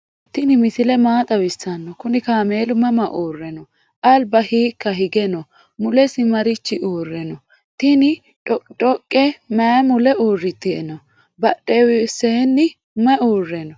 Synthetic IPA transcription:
t̪ɪnɪmɪsɪlɛmaːt̪ʼɐwɪsːɐnːɔkʊnɪkaːmeːlʊmɐmɐʔoːrːɛnɔ | ʔɐlbɐhiːkːɐɦɪɡɛnɔ | mʊlɛsɪmɐɾɪt͡ʃːɪʔoːrːɛnɔ | t̪ɪnɪ | ɔtʼɔkʼːɛmɐjmʊlɛoːrːɪt̪ːɪnɔ | bɐɗewɪseːnːɪ | mɐoːrːɛnɔ

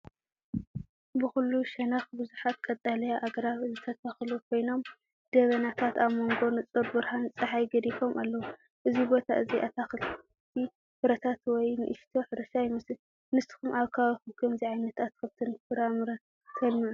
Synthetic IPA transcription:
bɨxulːuʃɐnɐxbɨzuħat̪̚kʼɐt̪ʼalɐjaʔaɡɐɾaβzɨt̪ʰɐt̪ʰaxlukʰo̞jno̞m | d̪̥ɐβɐnat̪ʰat̪aβmo̞ŋɡo̞nɨt͡sʼɨɾbɨɾhant͡sʼɐħajɡɐd̪ifo̞mʔalːɐwu | ʔɨzibo̞t̪ʰaʔɨziʔat̪ʰaxɨl | t̪ʰi | fɨɾɐt̪ʰat̪wɔjnɨ̰ʔɨʃt̪ʰo̞ħɨɾɐʃajmɨs | nɨst̪ɨ̥xumʔaβkʰaβɐxukʰɐmziʕajnɐt̪at̪̚kʰɐβt̪ʰɨnfɨɾamɨɾɐ | t̪ʰɐlmiʕu

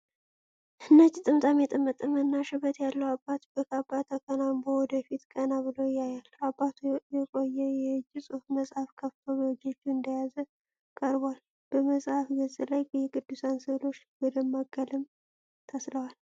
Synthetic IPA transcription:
ʔɨnːət͡ʃːt̪ʼɨmt̪ʼamɛt̪ʼɨmːɨt̪ʼɨmənːaʃɪβət̪jalːəwabːat̪bəkabːat̪ʰakʰənambowɔd̪əfit̪kʼənaβɨlojajalabːat̪ʰujɛkʼo̞jːɛjɛɨd͡ʒːɪsʼufməsʼhafkʰəft̪ʰo̞βəɨd͡ʒːot͡ʃːuɨnd̪əjazə | kʼəɾbwal | b̥əməsʼhafɡəzʼɨlajbəjɛkʼɨd̪ːusansəlo̞t͡ʃːbɔd̪əmːaɡəlɨm | t̪ʰəsɾəwal

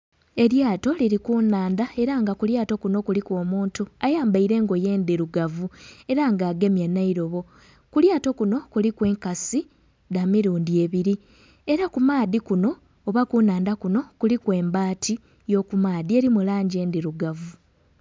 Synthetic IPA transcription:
e̞ɾjaːto̞liɾikunaːndae̞ɾaŋɡakuljaːto̞kuno̞kulikwo̞ːmuːntuajaːmbaiɾe̞ːŋɡo̞je̞ːnd̪iɾuɡavue̞ɾaŋɡaːɡe̞mjanːaiɾo̞βo̞ | kuljaːto̞kuno̞kulikwe̞ːŋkasi | damiɾuːndie̞βiɾi | e̞ɾakumaːðikuno̞ː | βakunaːndakuno̞kulikwe̞ːmbaːtʰi | jo̞kumaːðie̞ɾimulaːɲɟe̞ːnd̪iɾuɡavu

